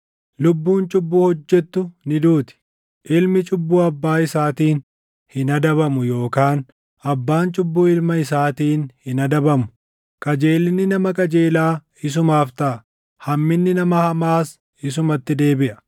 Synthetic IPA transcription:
lʊbːuːnt͡ʃʼʊbːuːhɔd͡ʒːɛt̪ːʊnɪd̪uːt̪ɪ̥ | ʔɪlmɪt͡ʃʼʊbːuːɐbːaːɪsaːt̪iːn | hɪnɐd̪ɐβɐmʊjo̞ːkaːn | ɐbːaːnt͡ʃʼʊbːuːɪlmɐɪsaːt̪iːnhɪnɐd̪ɐbɐmʊ | kʼɐd͡ʒe̞ːlːɪnːɪnɐmɐkʼɐd͡ʒe̞ːlaː | ɪs̬ʊmaːft̪ɐʔ | hɐmːɪnːɪnɐmɐhɐmaːs | ɪs̬ʊmɐt̪ːɪd̪e̞ːbɪʔɐ̥

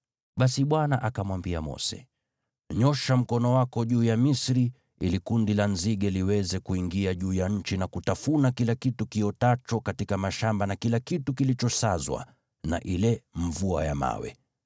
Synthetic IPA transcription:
ɓasiɓwanaʔakamwambia̰mɔ̰sɛ̰ | ɲɔʃam̩kɔnɔwakɔʄuːjamisɾi | ḭlikundilanziɠɛliwɛzɛkuiŋɡiaʄuːjaɲ̩t͡ʃinakutafunakilakitukiɔtat͡ʃɔkatikamaʃambanakilakitukilit͡ʃɔsazwa̰ | na̰ʔilɛɱvua̰jama̰wɛ̰

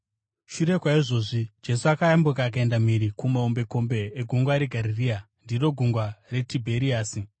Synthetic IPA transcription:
ʃuɾe̞kwaiʐo̞ːʐid͡ʒe̞suakajambukaːk̬ae̞ndamiɾikumaombe̞ko̞mbe̞ːɡʱuŋɡwaɾeɡʱaɾiria | ndiro̞ɡʱuŋɡware̞tibʱeɾiaːsi

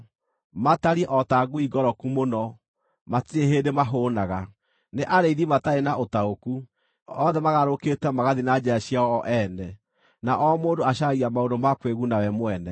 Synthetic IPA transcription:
mataɾiɛʔɔtaɡuiɡɔɾɔkumonɔ | matieɦedemaɦoːnaɣa | neʔaɾeiðimataenaʔotaoku | ɔðɛmaɣaɾoketɛmaɣaðinad͡ʒɛaɕiaɔɔʔɛnɛ | naʔɔmoːndoaʃaɣiamaondomakweɣunawɛmwɛnɛ

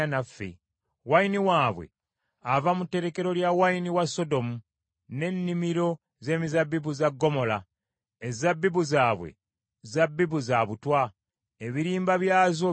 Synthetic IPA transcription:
nafːḛ | wainiwaːβwe̞̰ | avamutːe̞ɾe̞ke̞ɾo̞ljawainiwaso̞do̞mu | ne̞nːimiɾo̞ | ze̞ːmizabːiβuzaɡːo̞mo̞la | ezabːiβuzaːβwḛ | zabːiβuzaβutwa | eβiɾiːmbaβjaːzo

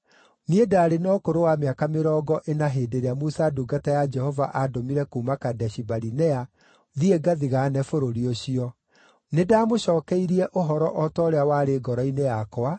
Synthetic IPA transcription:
niedaːɾenɔːkoɾowameakameɾɔːɡɔʔenaɦeːdeɾeamusaduɡatajad͡ʒɛhɔvaʔadomiɾɛkuːmakadɛɕibaɾinɛa | ðieɡaðiɣaːnɛfoɾoɾioɕiɔ | nedaːmoɕɔːkɛiɾiɛʔoɦɔɾɔʔɔtɔːɾeawaɾeɡɔɾɔinejakwa

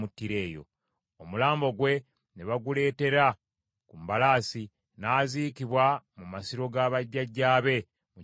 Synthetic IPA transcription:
mutːiɾe̞ːjo̞̰ | omulaːmbo̞ɡwe̞ | neβaɡule̞ːte̞ɾa | kumbalaːsi | naːziːkiβwamumasiɾo̞ɡaːβaɟːaɟːaːβe̞ | mu

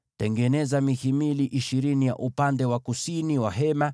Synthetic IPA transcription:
tɛŋɡɛnɛzamihimiliʔiʃiɾinija̰ʔupandɛwakusiniwaɦɛma

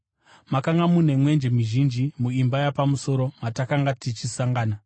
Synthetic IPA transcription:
makaŋɡamun̤e̞mwe̞nd͡ʒemiʒind͡ʒimuimbajapamuso̞ɾo̞matakaŋɡatit͡ʃisaŋɡaːna

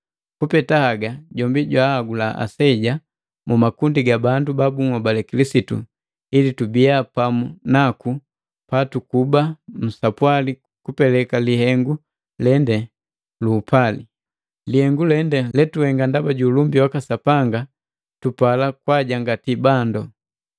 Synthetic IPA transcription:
kupɛtahaɡaɟɔmbiɟwahaɡulaʔa̰sɛɟa | mumakundiɡabandubabuŋabalɛkilisitṵ | ilitubijapamunaku | patukubam̩sapwali | kupɛlɛkalihɛŋɡu | lɛndɛ | luːpʰali | lihɛŋɡulɛndɛlɛtuhɛŋɡandabaɟulumbiwakasapaŋɡa | tupalakwaɟaŋɡatibandɔ

